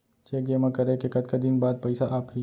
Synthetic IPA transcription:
t͡ʃeːkemãkɐɾekekɐd̪̚kad̪ɪnbaːd̪̚pɐɪsaʔaːpɦi

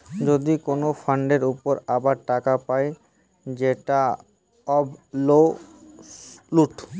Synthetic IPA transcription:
d͡ʑod̪ikonofʰaɳɖeɾupoɾabaɾʈakapae | d͡ʑeʈa | ɔblo | luʈ

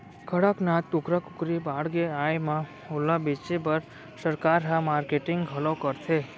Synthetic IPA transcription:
kʰəɽəknat̪ːʊkɾəkʊkɾibaɽɡeajmã | olabit͡ʃebəɾ | səɾkaɾɦamaːɾkeʈɪŋɡɦəlɔ̃kəɾt̪ʰe

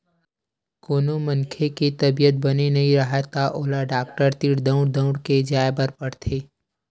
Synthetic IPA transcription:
koːnomɐnkʰekit̪ɐbijət̪̚bɐnenɐɦĩɾɐɦat̪ʰaʔoːlaɖaːk̚ʈəɾt̪iːɽd̪ə̃ʊ̃ɽd̪ə̃ʊ̃ɽked͡ʒaːebəɾpɐɽt̪ʰeː

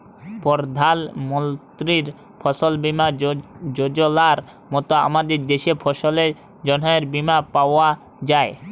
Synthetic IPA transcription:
pɔɾd̪ʱalmɔnt̪ɾiɾ | pʰɔʃolbimad͡ʑod͡ʑolaɾ | mɔt̪oa̰mad̪eɾd̪eʃepʰɔʃole | d͡ʑɔnɔeɾbimapaoa | d͡ʑae

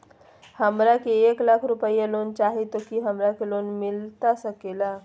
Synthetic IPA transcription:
həmɾakieklakʰɾupəjəlont͡ɕaɦit̪okiɦəmɾakelonmilt̪asəkela

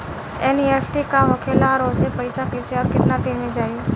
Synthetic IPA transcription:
ɛnieːfʰʈikaɦokʰeːlaɾoːsepəɪsakɪseɔːɾkɪt̪nat̪enmẽd͡ʒaːi

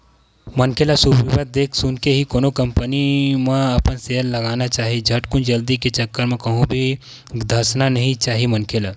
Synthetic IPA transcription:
mɐnkelasubiʋəd̪̚d̪eːkʰsʊnkeɦikoːnokɐ̃mpənimẽɐpənselːɐɡaːnat͡ʃaːɦid͡ʒʱɐʈkʊnd͡ʒɐld̪iket͡ʃɐkːəɾmẽkɐɦũbʱi | d̪ʱasnanɐɦĩt͡ʃaːɦimɐnkʰela

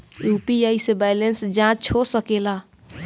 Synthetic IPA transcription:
jupiaisebajlensd͡ʒãt͡ʃt͡ʃʰosəkela

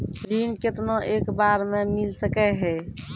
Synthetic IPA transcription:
ɾinket̪noʔeːkbaɾmemilsəkɛɦɛ

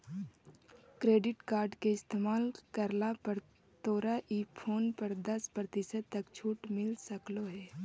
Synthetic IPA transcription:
kɾeːɖɪʈkaːɾɖkeɪst̪eːmaːlkəɾlapəɾ | t̪oːɾaʔiːoːnpəɾd̪əspɾət̪ɪsət̪əkt͡ʃʰuːʈmɪlsəkloɦɛː

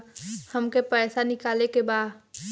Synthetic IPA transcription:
həmkepɛːsanɪkaːlekebaːd

